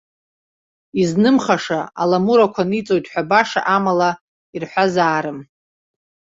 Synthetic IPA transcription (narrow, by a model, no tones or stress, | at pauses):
iznɨmχaʂaa̰lamuɾakʷʰanit͡sʼo̞jtʼħʷᶣabaʂa̰ʔamala | irħʷazaːɾɨm